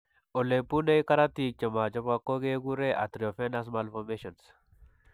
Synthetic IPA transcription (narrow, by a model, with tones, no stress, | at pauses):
o˨le˨pu˦ne˦i˦ka˦ɾa˦ti˨t͡ʃɔ˨ma˨d͡ʒɔ˦pa˨ko˦ɡe˦ɡu˦ɾe˦ʔa̰˨t̪ɾi˨ɔ˨fɛ˦na˦s̬ma˨lfɔ˨me˦ʃɔ˨ns